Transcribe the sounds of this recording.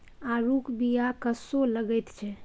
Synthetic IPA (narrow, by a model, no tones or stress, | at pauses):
aɾukbijakəsoləɡɛt̪t͡ʃʰɛ